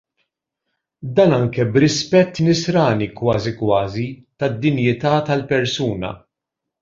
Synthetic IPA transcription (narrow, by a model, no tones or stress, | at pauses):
d̪ɐːnɐŋkɛbɾɪspɛt̪ːnɪsɾɐːnikwɐːzikwɐːzit̪ɐd̪ːɪnjɪt̪ɐːt̪ɐlpɛɾsuːnɐ̰